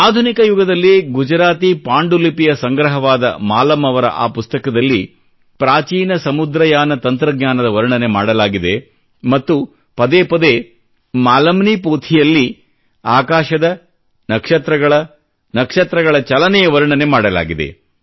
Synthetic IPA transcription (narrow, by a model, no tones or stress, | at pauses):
aːd̪ʱunikɐjuɡɐd̪ɐlːiɡud͡ʒɐɾaːt̪ipaːɳɖulipijɐsɐŋɡɾɐɦɐʋaːd̪ɐ̰maːlɐmɐʋɐɾɐ̰ʔa̰ːpust̪ɐkɐd̪ɐlːi | pɾaːt͡ʃiːnɐsɐmud̪ɾɐjaːnɐt̪ɐnt̪ɾɐɡɲʲaːnɐd̪ɐʋɐɾɳɐne̞maːɽɐlaːɡid̪e̞ | mɐt̪ːu | pɐd̪eːpɐd̪eː | maːlɐmnipoːt̪ʰijɐlːi | aːkaːʃɐd̪ɐ | nɐkʂɐt̪ɾɐɡɐɭɐ | nɐkʂɐt̪ɾɐɡɐɭɐt͡ʃɐlɐnɛjɐʋɐɾɳɐne̞maːɽɐla̰ːɡid̪e̞̰